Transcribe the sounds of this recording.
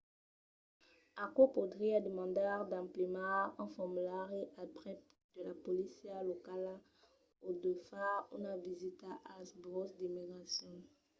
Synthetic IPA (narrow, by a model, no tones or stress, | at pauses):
akopod̪ʁiad̪emɑ̃d̪aʁd̪ãplimãɑ̃fɔʁmylaʁeʔapʁɛ | d̪̥əlapolisjalɔkala | od̪øfaṵ̃navizit̪aʔasbʁɔsd̪imiɡʁasjɔ̃